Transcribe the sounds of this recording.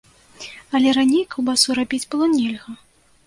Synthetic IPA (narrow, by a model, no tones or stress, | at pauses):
ɐlʲɛɾanʲejkɐwbasuɾabʲid͡zʲbɨlˠɔnʲɛlʲɣɐ